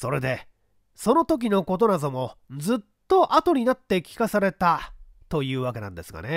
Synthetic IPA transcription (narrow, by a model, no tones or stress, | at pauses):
so̞ɾe̞d̪e̞ | so̞no̞t̪o̞k̬ʲino̞ko̞t̪o̞nazomo̞d͡zɨt̪ːo̞ʔat̪o̞ɲ̟inat̪ːe̞kʲi̥kasaɾe̞t̪a | t̪o̞jɯ̟ːβake̞nã̰nd̪e̞sɨɡa̰ne